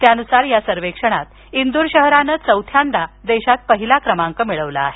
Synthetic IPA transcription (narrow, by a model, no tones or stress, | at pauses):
t̪janusaɾjasəɾʋekʂəɽ̃at̪ | ind̪uɾɕəɦɾanət͡səwt̪ʰjand̪ʱad̪eɕat̪̚pəɦilakɾəmaŋkəmiɭəʋla̰aːɦe